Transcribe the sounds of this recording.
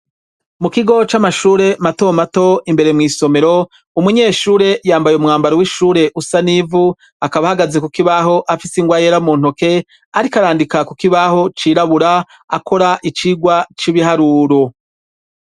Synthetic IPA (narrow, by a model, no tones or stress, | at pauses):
mukiɡo̞t͡ʃamaʃuːɾe̞mato̞mato̞imbe̞ɾe̞mŋiːso̞me̞ɾo̞ | umuɲe̞ːʃuːɾe̞jaːmbajeumŋaːmbaɾowiʃuːɾe̞ʔusanivu | akaβahaɡaze̞kukiβaɦo̞ʔafisiŋɡwaːjeɾamuːn̥ho̞ke̞ | aɾikaɾaːndikakukiβaho̞t͡ʃiːɾaβuɾa | a̰kʰo̞ɾaʔit͡ʃiːɡwat͡ʃiβiɦaɾuːɾo